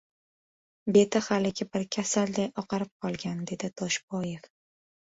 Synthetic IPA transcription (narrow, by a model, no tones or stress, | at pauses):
be̞t̪ʰaχalɪɡʲɪbɪɾkʲʰasald̪ajɒqɑɾɪp̚qʰɒlˠɡʲand̪e̞d̪ɪt̪ʰɒʃbɒje̞f